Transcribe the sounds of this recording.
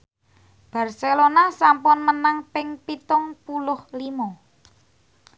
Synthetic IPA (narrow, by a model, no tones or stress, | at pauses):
b̥a̤rselonasampʊnmənaŋpɪŋpit̪ʊŋpulʊhlimɔ